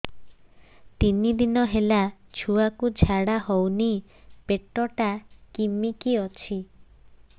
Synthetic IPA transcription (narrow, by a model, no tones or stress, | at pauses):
t̪inid̪inɔɦelat͡ʃʰuakud͡ʒʱaɽaɦowni | peʈːɔʈakimikiɔt͡ʃʰi